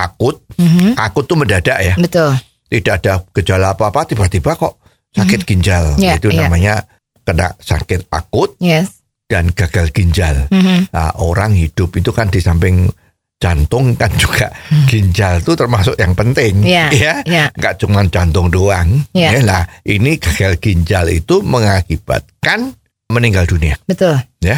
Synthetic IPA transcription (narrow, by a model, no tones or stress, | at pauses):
ʔakʊt̪̚akʊt̪ːuməndad̥aʔjabət̪ʊl | t̪id̥aʔad̥aɡ̥əd͡ʒalaapaːpat̪ibaʔt̪ibakɔʔ | sakɪt̪̚ɡ̥iɲd͡ʒalit̪unamaɲa | kəna̰ʔsa̰kɪt̪̚a̰kʊt̪̚jɛ | d̥anɡ̥aɡ̥alɡ̥iɲd͡ʒala̰ʔoɾaŋhid̥ʊpit̪ukandisampɪŋ | t͡ʃant̪ʊŋkand͡ʒuɡ̥a̰ʔɡ̥iɲd͡ʒalt̪ut̪ərmasʊkjaŋpənt̪ɪŋajaŋɡaʔt͡ʃuŋmant͡ʃant̪ʊŋdoaŋjalahʔiniɡ̥aɡ̥alɡ̥iɲd͡ʒalḭt̪uməŋakib̥a̰t̪̚kan | məniŋɡalduniabət̪ʊlja